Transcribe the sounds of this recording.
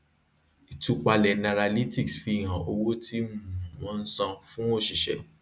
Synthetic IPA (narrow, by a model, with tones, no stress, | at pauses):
i˨tu˨˧k͡pa˧lɛ˨nã˨ɾa˧li˦ti˦ksfi˧˨ɦã˨ʔo˧wo˦tʰi˦m˦˨wɔ̃˨˦n̩˦sã˧fũ˦o˦˨ʃi˨ʃɛ̰˨